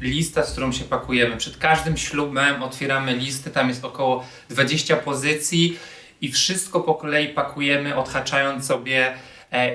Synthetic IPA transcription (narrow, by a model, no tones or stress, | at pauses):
lʲist̪afskt̪uɾɔ̃wɕɛpakujɛmɘpʂɛt̪kaʐd̪ɘmɕlubɛmɔt̪fʲjɛɾamɘlʲist̪ɘt̪amjɛst̪ɔkɔwɔ | d̪vad͡ʑeɕt͡ɕapɔzɘt̪sʲji | ifʂɘst̪kɔpɔkɔlɛjipakʰujɛmɘʔɔt̪xat͡ʂajɔnt̪sɔbʲjɛ